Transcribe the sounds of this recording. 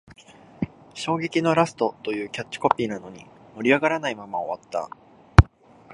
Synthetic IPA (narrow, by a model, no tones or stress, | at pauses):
ɕo̞ːɡe̞kʲino̞ɾasɨ̥t̪o̞t̪o̞jɯ̟ːkʲat͡ɕːi̥ko̞pʲiːnano̞ɲ̟ḭ | mo̞ɾʲiaɡaɾanaimamao̞βat̪ːa̰